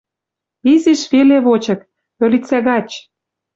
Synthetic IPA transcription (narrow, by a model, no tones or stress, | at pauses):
izeʃβeleβot͡ɕɤ̆k̚ | ø̆lʲit͡sæɣɑt͡ɕ